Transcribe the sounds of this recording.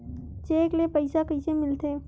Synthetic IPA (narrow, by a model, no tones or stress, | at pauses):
t͡ʃeːklepəɪsakəjsemɪlt̪ʰeː